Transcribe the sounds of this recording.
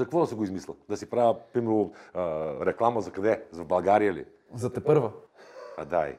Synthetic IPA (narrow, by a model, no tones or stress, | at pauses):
zɐkkvɔd̪ɐsɛɡoizmislʲˠəd̪ɐsipɾavəpɾimɛɾo | ɾɛklˠaməzɐkɐd̪ɛzɐbɐlˠɡaɾijəlḭ | zɐt̪ɛpɤɾvəad̪aḭ